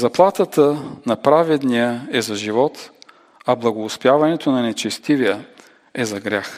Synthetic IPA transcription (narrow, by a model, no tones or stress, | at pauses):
zɐplˠat̪ət̪ənɐpɾavɛd̪nijəɛzɐʒivɔt̪ | ɐblˠɐɡoːspjavɐnɛt̪onɐnɛt͡ʃɛst̪ivijə | ɛzɐɡɾʲax